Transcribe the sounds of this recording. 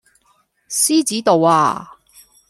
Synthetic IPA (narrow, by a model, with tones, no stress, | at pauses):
siː˥t͡siː˨˥t̪o˨wa̰ː˧